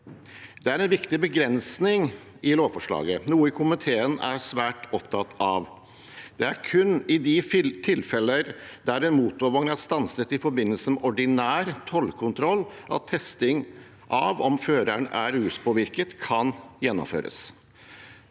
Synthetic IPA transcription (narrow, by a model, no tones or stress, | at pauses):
d̪ɛæɾɛnʋɪkt̪ɪbəɡɾɛnsnɪŋ | ɪloːʋfɔʂɭɑ̰ːɡənuːəɪkʰʊmɪt̪ʰeːənæɾʂʋæːʈɔpt̪ʰɑt̪ɑʋ | d̪̥ɛæɾkʰʉnːɪd̪ɪt̪ʰɪlfɛləɾd̪̥æɾɛnmuːt̪oʋɔŋnæɾst̪ɑnsət̪ɪfɔɾbɪnːəlsəmɛʔɔɖɪnæːɾt̪ʰɔlkʰʊnt̪ʰɾɔlːʔɑ̰t̪ʰːɛst̪ɪŋ | ʔɑʋɔmføːɾəɳæɾhʉːspʰɔʋɪɾkət̪kʰɑnjɛnːɔ̰mfø̰ːɾə̰s